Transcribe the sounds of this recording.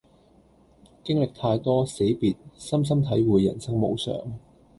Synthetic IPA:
kɪ˥ŋlɪ˨k̚t̪ʰaː˧jt̪ɔː˥se˨˥jpiː˨t̚sɐ˥ms̬ɐ˥mt̪ʰɐ˨˥jwuː˨jːɐ̰˨˩nsɐ˥ŋmo̰˨˧wsœ̰ː˨˩ŋ

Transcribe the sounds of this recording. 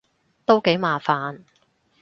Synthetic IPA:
t̪o˥wke˨˥jmaː˨˧faː˨n

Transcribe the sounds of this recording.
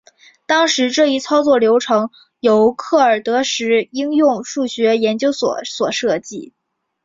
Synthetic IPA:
t̪ɑ˥ŋʂɻ̩˧˥ʈ͡ʂɤ˥˧i˥˩t͡sʰɑ˥ʊt͡swɔ˥˩ljo˧˥ʊʈ͡ʂʰɤ˧˥ŋ | jo˧˥ʊkʰɤ˥˩ə˞˨˩t̪ɤ˧˥ʂɻ̩˧˥i˥ŋjʊ˥˧ŋʂu˥˩ɕɥɛ˧˥jɛ˧˥nt͡ɕjo˥ʊswɔ̰˨˩˦swɔ˨˩ʂɤ˥˧t͡ɕi˥˩

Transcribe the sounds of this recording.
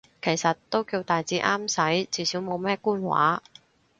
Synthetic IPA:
kʰe˨˩jsɐ˨tt̪ːo˥wkiː˧wt̪aː˨jt͡siː˨˥ʔaː˥msɐ˨˥jt͡siː˨˥siː˨˥wmo˨˧wmɛː˥kuː˥nwa̰ː˨˥

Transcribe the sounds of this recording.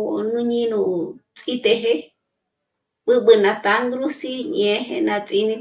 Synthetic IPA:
nũ˦ɲĩ˦nũ˧˨t͡sʼi˦t̪e˧ɦe˦ | ɓɨ˦ɓɨ˧nã˧t̪a˧˦ŋɡɾu˦si˦ɲẽ˧˦ɦḛ˧nã˧t͡sʼi˧nĩ˧

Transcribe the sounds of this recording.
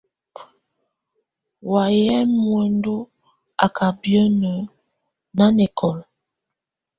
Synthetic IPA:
wa˨jɛ˦mwe˨ndo˦ | a˨kʰa˨bjɔ˦nə˨ | na˦nɛ˨kʰɔ˨l

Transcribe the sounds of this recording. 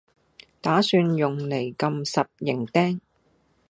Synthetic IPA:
t̪aː˨˥syː˧njʊ˨˩ŋle˨˩jkɐ˧msɐ˨t̚jɪ˨˩ŋt̪ɛː˥ŋ

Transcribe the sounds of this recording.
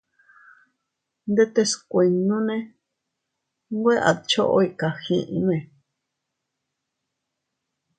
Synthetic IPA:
nd̪e˦t̪e˧skʷe˧nũ˦nẽ˦ | ŋɡʷe˦ʔa̰˨t͡ʃo˦ʔo̰˦i˧ka˨xĩ˧˨ʔĩ˧˦nẽ˨

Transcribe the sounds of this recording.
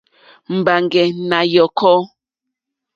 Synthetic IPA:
m̩˨ba˨ŋɡɛ˨na˨jɔ˨kɔ˦

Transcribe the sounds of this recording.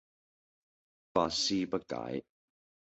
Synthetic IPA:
paː˧siː˥˧pɐ˥t̚ka̰ː˨˦j

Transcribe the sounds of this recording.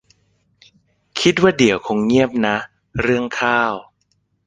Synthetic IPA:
kʰi˦˥t̪̚waː˥˩di˨˩˦əwkʰo˧ŋɲi˥˩əp̚na˦˥ | ɾɯ˥˩əŋkʰaː˥˩w

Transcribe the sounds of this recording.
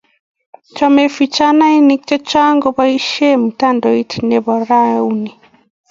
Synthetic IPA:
t͡ʃɔ˦me˨fi˨t͡ʃa˦na˦i˦ni˦k̚t͡ʃɔ˦t͡ʃa˦ŋɡɔ˦ba˦i˦ʃe˦mu˨ta˦ndɔ˨i˦tʰine˨bɔ˨ɾa˦u˦ni˨

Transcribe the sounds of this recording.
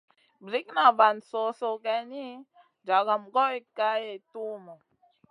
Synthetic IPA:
bɾi˦kna˨ba˨nso˨so˨kɛ˨ni˦ | d͡ʒa˨ɡa˨mɡɔ˦i˦ka˦je˨tu˦mɔ˨

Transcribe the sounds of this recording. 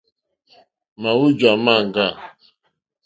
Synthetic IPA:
ma˨wu˦d͡ʒwa˨ma˦˨ŋ˨ɡa˦˨

